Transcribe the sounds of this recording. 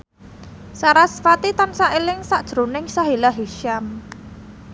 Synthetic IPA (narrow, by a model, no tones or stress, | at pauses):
saɾasfat̪it̪ansaʔelɪŋsaʔd̥ʒ̥ɾo̤nɪŋsaɦilaɦiʃam